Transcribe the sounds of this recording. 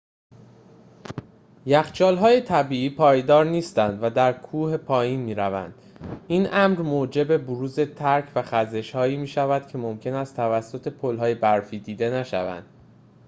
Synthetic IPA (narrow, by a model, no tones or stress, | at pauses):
jæxt͡ʃʰɒːlɦɒːje̞t̪ʰæbiːʔiːpʰɒːjd̪ɒːɾniːst̪ænd̪væd̪æɾkʰuːhepʰɒːjiːnmiːɾævæ̰nd̪̥ʔinʔæmɾmoːd͡ʒe̞be̞boɾuːze̞t̪ʰæɾcʰvæxæze̞ʃhɒːiːmiːʃævæd̪̥̚cʰe̞momcʰe̞næst̪ʰævæsːo̞t̪ʰe̞pʰolɦɒːje̞bæɾfiːd̪iːd̪e̞næʃæ̰væ̰nd̪̥